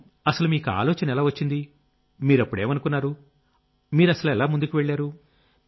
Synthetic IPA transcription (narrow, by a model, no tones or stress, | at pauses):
ɐsɐlumiːkua̰ːlɔːt͡ʃɐnɐɛlaːʋɐt͡ʃːind̪i | miːɾɐpːuɽe̞ːmɐnukunːaːɾu | miːɾɐsɐluɛlaːmund̪ukuʋeɭːaːɾu